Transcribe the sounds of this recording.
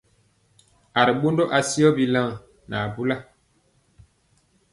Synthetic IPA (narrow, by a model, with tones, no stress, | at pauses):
a˨ɾi˨ɓo˦ndɔ˦ʔa˨si˦ɔ˦bi˨la˦˨ | na˨bu˦la˦